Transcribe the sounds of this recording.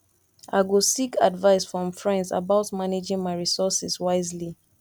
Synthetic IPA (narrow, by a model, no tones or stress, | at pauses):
a̰ɪwɪlˠsikʰa̰dvaɪsfɹɔ̃ɱfɹɛ̃ndza̰baʊtmaned͡ʒɪ̃ŋmaɪɹisɔsɛswaɪzli